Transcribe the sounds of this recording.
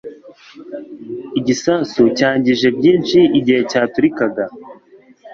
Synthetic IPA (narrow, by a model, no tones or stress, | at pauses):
iɟisaːsucaːɲɟiʒe̞bjiːnʃiiɟihe̞caːtuɾikaɡa